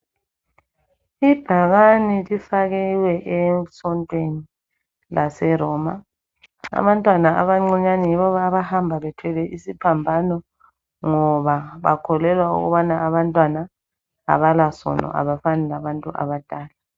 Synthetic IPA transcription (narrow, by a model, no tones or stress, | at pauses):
ib̥ʱaɣanilifaɣɛlwɛʔɛsɔntʼweni | lasɛɾɔma̰ | a̰βantʼwanaʔa̰βaŋ͡ǀiɲanɛjiβɔβaβahambʱaβɛtʰɛlɛʔisipʰambʱanɔ | ŋɔβaβa̰kʰɔlɛlwaṵɣṵβanaaβantʼwana | a̰βalasɔ̰nɔ̰ʔa̰βafanɛlaβantʼuʔa̰βad̥ʼʱaːla